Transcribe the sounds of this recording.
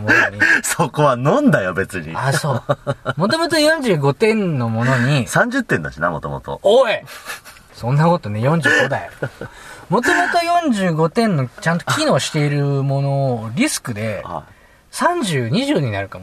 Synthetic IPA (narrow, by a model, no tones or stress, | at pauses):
mooɲisoko̞βanõ̞nd̪ajobe̞t͡sɨɲḭaso̞ːmo̞t̪o̞mot̪ojõ̞ɲ̟d͡ʑɨːɡo̞t̪ẽ̞nno̞mo̞no̞ɲ̟isãɲd͡ʑɨt̪ːena̰ɕinamot̪o̰mot̪o̰oe | sõ̞nːako̞t̪o̞ne̞jõ̞ɲ̟d͡ʑɨːɡo̞d̪ai | mo̞t̪o̞mo̞t̪o̞jõ̞ɲd͡ʑɨːɡo̞t̪ẽ̞nːo̞t͡ɕãnt̪o̥kʲino̞ːɕi̥t̪e̞iɾɯ̟mo̞no̞ɾʲisɨ̥kɯ̟d̪e̞h | sãɲ̟d͡ʑɨːɲ̟iʑɨːɲ̟inaɾɯ̟kamo